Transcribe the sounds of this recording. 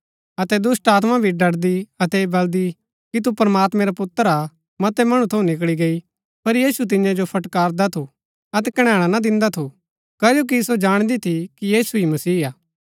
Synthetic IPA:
ɐt̪ɛd̪ʊsʈaːt̪̬mãbʱiɖɐɽd̪iɐt̪ɛbɐld̪i | kit̪̬upɾmaːt̪mɛ̃ɾapʊt̪ːəɾa | mɐt̪ɛmɐɽ̃ũt̪ʰɐũnɪk̬ɭiɡɐi | pɐɾjiːsut̪̬ɪjãd͡ʒopʰɐʈkaːɾd̪at̪ʰu | ɐt̪ɛkɐɽ̃ãːɽ̃anad̪ɪ̃nd̪at̪ʰu | kaːd͡ʒoːk̬isod͡ʒaːɽ̃d̪it̪ʰikijiːsuimɐsiːaː

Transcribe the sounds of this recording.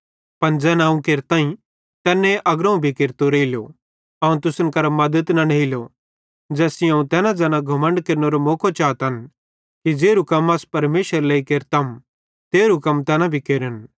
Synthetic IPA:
pɐnd͡zɛːnaũkeːɾt̪ãːĩ | t̪ɛːnẽʔɐɡɾɐ̃ũbʱikeɾt̪oɾeiljo̰ | ɐːũt̪ʊsənkɐɾmɐd̪ət̪nɐneɪlo | d͡zɛːsiɐ̃ũt̪ɛːnãd͡zɛːnãɡʱɐmə̃ɳɖkeːɾnoɾomoːkʰot͡ʃaːt̪ɐn | kid͡ʒeːɾukɐmaːspɐɾmeːʃəɾleːikeːɾt̪ɐm | t̪eːɾukɐmt̪ɛːnabʱikeːɾən

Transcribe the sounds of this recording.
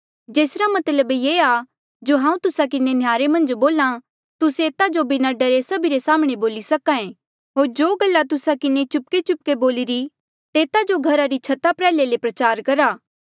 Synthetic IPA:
d͡ʒeːsɾamɐt̪ləbjeːa | d͡ʒoɦãːũt̪ʊsakɪnenjaːɾemɐ̃nd͡ʒboːla | t̪ʊseːt̪ad͡ʒobɪnaɖəɾesɐbiɾesaːməɽ̃eboːlisɐkãẽ | ɦoːɾd͡ʒoːɡəlːat̪ʊsakɪnet͡ʃʊp̚ket͡ʃʊp̚keboːlɪɾi | t̪eːt̪ad͡ʒoɡʱɐɾaɾit͡ʃʰɐt̪apɾɛːlelepɾɐt͡ʃaːɾkɐɾaː

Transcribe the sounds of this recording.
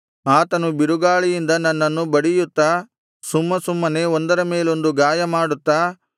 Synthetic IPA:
aːt̪ɐnubiɾuɡaːɭijind̪ɐnːɐnːɐnːubɐɽijut̪ːa | sumːɐsumːɐne̞ond̪ɐɾɐmeːlo̞nd̪uɡaːjɐmaːɽut̪ːa

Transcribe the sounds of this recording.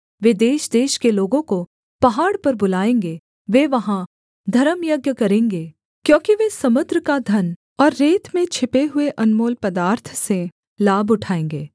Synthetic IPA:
ʋed̪eːʃd̪eːʃkeloːɡõko | pɐɦaːɽpɐɾbʊlaːẽːŋɡe | ʋeʋɐɦã | d̪ʱɐɾəmjɐɡjəkɐɾẽːŋɡeː | kjõːkiʋesɐmʊd̪ɾəkad̪ʱɐn | ɔːɾːeːt̪mẽt͡ʃʰɪpeɦʊeʔɐnmoːlpɐd̪aːɾt̪ʰse | laːbʊʈʰaːẽːŋɡeː

